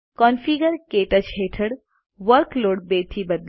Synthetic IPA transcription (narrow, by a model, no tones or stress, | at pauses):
kɔnfʰiːɡəɾkeːʈət͡ʃɦeːʈʰəɽ | ʋəɾkloːɽbeːt̪ʰibɐd̪